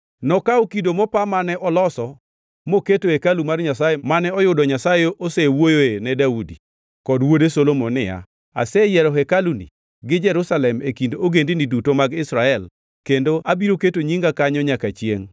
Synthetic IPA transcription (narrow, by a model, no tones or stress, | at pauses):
nɔkaokidomɔpamanɛʔɔlɔsɔ | moketohekalumarɲasajemanɛɔjʊdɔɲasajeʔosewojoenɛdaudḭ | kɔdwodesolomonɪja̰ | a̰sɛjɛɾɔɦɛkalunḭ | ɡɪd͡ʒɛɾusalɛmekindooɡendinidutomaɡɪsɾaɛl | kendoabiɾoketoɲiŋɡakaɲɔɲakat͡ʃjeŋ